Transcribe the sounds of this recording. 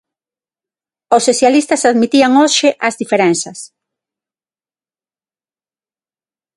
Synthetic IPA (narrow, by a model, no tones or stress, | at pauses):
osːoθjalist̪ɐsaðmit̪iaŋoʃɪʔɐzðifeɾɛnsɐs